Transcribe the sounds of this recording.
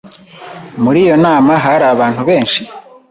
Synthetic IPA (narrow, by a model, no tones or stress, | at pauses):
muɾiːjo̞naːmaɦaɾaːβaːn̥huβe̞ːnʃi